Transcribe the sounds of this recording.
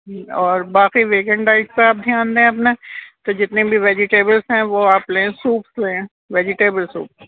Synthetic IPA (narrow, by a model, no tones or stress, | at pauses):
ɔːɾbaːxiʋeːkə̃ɳɖaːɪskeaːp̚d̪ʱjaːnd̪eẽɐpneːt̪od͡ʒɪt̪nẽbʱiʋeːd͡ʒɪʈeːbəlsɦɛ̃ʋoaːpleẽsuːpsleːẽ | ʋeːd͡ʒɪʈeːbəlsṵːps